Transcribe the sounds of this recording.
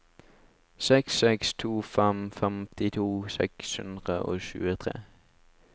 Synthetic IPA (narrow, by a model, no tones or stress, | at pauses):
sɛksɛkst̪ʰuːfɛmfɛmt̪ɪt̪ʰuːsɛ̰kshʉ̰nd̪ʁəʔo̰ːʃʉ̰ːət̪ʰʁḛː